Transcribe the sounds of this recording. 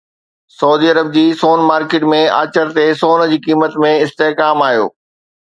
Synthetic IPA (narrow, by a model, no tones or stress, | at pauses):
sɐuːd̪iːɐɾəb̚d͡ʑiːsoːnmaːɾkeːʈmẽa̰ːt͡ɕəɾt̪esoːnd͡ʑiːkiːmət̪mẽɪst̪eɦkaːmaːjo̰ː